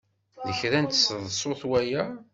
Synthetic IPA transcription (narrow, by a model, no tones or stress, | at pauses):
ðəçɾænt̪sðˤsˤoθwæjæ